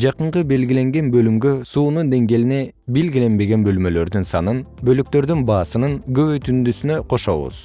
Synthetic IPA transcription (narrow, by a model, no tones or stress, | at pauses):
d͡ʒɑqɯɴqɯbe̞lɡʲile̞ŋɡe̞nbø̞lymɡø̞suːnund̪e̞ŋɡeline̞ | be̞lɡile̞nbe̞ɡe̞nbø̞lmø̞lø̞ɾd̪ynsɑ̰nɯnbø̞lyk̚t̪ø̞ɾd̪ynbɑːsɯnɯŋɡø̞βøjt̪ynd̪ysynø̞qʰo̞ʃo̞̰βṵz̥